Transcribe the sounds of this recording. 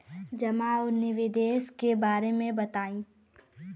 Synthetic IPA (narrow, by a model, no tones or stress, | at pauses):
d͡ʒɐmaːʊnɪʋɪd̪eːskebaːɾemẽbɐt̪aːĩː